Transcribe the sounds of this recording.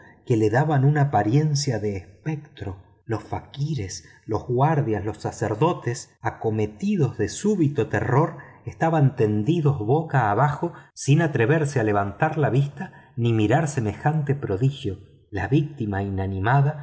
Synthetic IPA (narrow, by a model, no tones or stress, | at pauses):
kele̞ðaβanunapaɾje̞nsjaðeːspek̚t̪ɾo | lo̞sfakiɾes | lo̞zɣwaɾðjazlosːaseɾðo̞t̪esako̞me̞t̪iðo̞zðesuβit̪ot̪ḛro̞ɾest̪aβant̪e̞nd̪iðo̞zβokaːβaxo̞sinat̪ɾeβeɾseale̞β̞ant̪aɾlaβist̪animiɾaɾseme̞xant̪e̞pɾo̞ðixjo̞ | la̰βik̚t̪imainanĩmaða